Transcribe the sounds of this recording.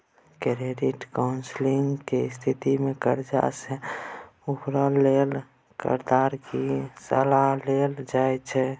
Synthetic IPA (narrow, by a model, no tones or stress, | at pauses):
kɾeɖiʈkaʊnsliŋɡkest̪ʰit̪imekəɾd͡ʒa̰se | upɾəlːel | kə̰ɾd̪aɾkisə̰laɦleld͡ʒajt͡ʃʰɛ